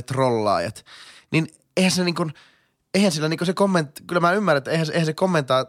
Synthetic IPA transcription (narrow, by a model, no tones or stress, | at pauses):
t̪rolːɑ̰ːjɑ̰t̪nin | eˑihænseniːŋkun | eˑihænsilːæniŋkosekomːent̪kylːæmæymːæɾrːnet̪ːeihænseihæsekomːent̪ɑː